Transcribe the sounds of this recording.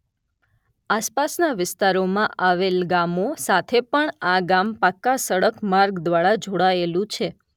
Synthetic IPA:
aspasnaʋɪst̪aɾomãʔaʋelɡamosat̪ʰepəɳaɡampakːasəɽəkmaɾɡd̪ʋaɽad͡ʒʱoɽaelũt͡ʃʰe

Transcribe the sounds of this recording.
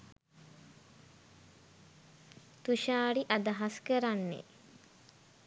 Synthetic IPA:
t̪uʃaːɽiʔad̪aɦaskəɾanːḛ

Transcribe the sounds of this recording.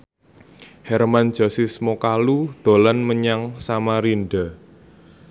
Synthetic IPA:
hɛrmand̥ʒ̥ɔ̤sismokalud̪̥o̤lanməɲaŋsamaɾinɖa

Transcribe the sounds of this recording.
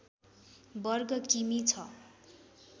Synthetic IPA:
bʌrɡʌkimit͡sʰʌ

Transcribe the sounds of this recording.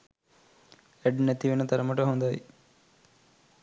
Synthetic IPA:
ɛɖnæt̪iʋenət̪ɐɾɐməʈəɦond̪aʋi

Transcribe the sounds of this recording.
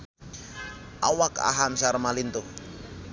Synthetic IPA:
ʔawaka̰ɦamsaɾmalint̪u

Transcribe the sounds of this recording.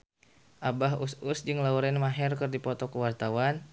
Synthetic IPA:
ʔabaɦususd͡ʒɨŋlauɾɛnmaɦɛrkɨrdipɔt̪ɔkəwart̪awan

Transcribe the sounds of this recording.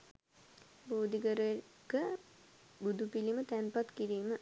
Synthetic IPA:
boːd̪ikəɾə | kə | bud̪upilimət̪ænpat̪kiɾiːmə

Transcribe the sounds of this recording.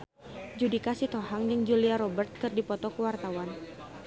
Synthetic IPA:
d͡ʒudikasit̪ɔɦaŋd͡ʒɨŋd͡ʒuliaɾɔbərt̪̚kɨrdipɔt̪ɔkuwart̪awan

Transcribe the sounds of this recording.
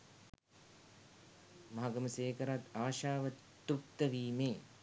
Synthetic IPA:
maɦaɡəməseːkəɾat̪aːʃaːʋə | t̪uk̚t̪əʋiːmeː

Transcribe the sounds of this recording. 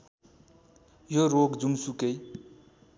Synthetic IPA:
joɾoɡd͡zunsukej

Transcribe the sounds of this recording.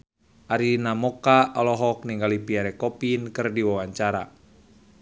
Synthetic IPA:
ʔaɾinamɔkaʔɔlɔɦɔk̚niŋɡalipiaɾɛkɔpinkɨrdiwawaɲt͡ʃaɾa

